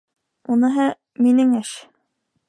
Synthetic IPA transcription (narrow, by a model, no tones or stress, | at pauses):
unɤ̆ɦɑ | minɘŋæʃ